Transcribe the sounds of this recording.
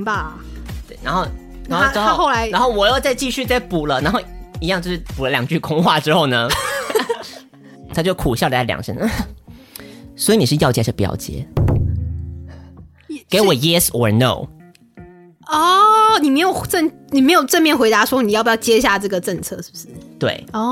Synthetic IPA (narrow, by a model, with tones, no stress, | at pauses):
ba˧ | t̪we˥˩ɪna˧˥nxo˥˧ʊ | na˥o˧˥a˥xo˥˩la˧˥ɪ˧˥xo˥˩ʊwɔ˨˩jo˥˧ʊt͡sa˥˧ɪt͡ɕi˥˧ɕy˥˧t͡sa˥˩ɪpu˨˩lə˦na˧nxo˥˩ʊi˧˥jɑ˥˧ŋt͡ɕo˥˧ʊʂɻ̩˥˩pu˨˩lə˦ljɑ˨˩ŋt͡ɕy˥˧kʰʊ˥ŋxwa˥˩ʈ͡ʂɻ̩˥xo˥˩ʊnə˩ | t̪ʰa˥t͡ɕjo˥˩ʊkʰu˨˩ɕjɑ˥ʊd̪ə˨˩a˥˩ljɑ̰˨˩ŋʂə̰˧˦n˥˩ | swi˧˥ni˨˩ʂɻ̩˥˧jɑ˥˧ʊt͡ɕjɛ˧˥˩ʂpjɑ̰˥˧˥ʊt͡ɕjɛ̰˧˥ | ke˧˥ɪwɔ˨˩jɛ˥sɔ˨˩no̰˥˨˩ʊ | ɔ˥˩ni˨˩me˧˥ɪjo˨˩ʊʈ͡ʂə˥˩ŋni˨me˧˥ɪjo˨˩ʊʈ͡ʂə˥˧nmjɛ˥˩nxwe˧˥ɪt̪a˧˥ʂwɔ˥ni˨˩jpjɑ˥˩˧t͡ɕjɛ˥ɕ̬ja˥˧ʈ͡ʂɤ˥˩ɡə˩ʈ͡ʂə˥˧ŋt͡sʰɤ˥˧ʂɻ̩˥˩bʂɻ̩˥˩t̪we˥˩ɪɔ˥˩